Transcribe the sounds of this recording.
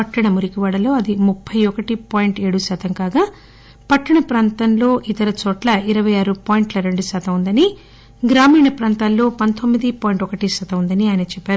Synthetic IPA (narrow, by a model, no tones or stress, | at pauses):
pɐʈːɐɳɐmuɾikiʋaːɽɐlo̞ːɐd̪imupʰːɐjɔkɐʈipaːjiɳʈeːɽusaːt̪ʰɐŋkaːɡaː | pɐʈːɐɳɐpɾaːnt̪ɐnlo̞ːʔit̪ɐɾɐt͡ʃɔːʈlɐiɾɐʋɐjaːɾupaːjiɳʈlɐɾe̞ɳɖusaːt̪ɐund̪ɐni | ɡɾaːmiːɳɐpɾaːnt̪aːlːo̞ːpɐnt̪o̞mːid̪ipaːjɳʈɔkɐʈisɐt̪ɐund̪ɐniaːjnɐt͡ʃɛpːaːɾu